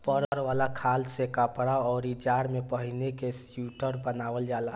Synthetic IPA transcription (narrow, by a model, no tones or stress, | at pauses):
pəɾɾʋaːlakʰaːlsekapəɽaɔːɾid͡ʒaːɽmepəɦinekesjuʈəɾbənaʋəld͡ʒaːla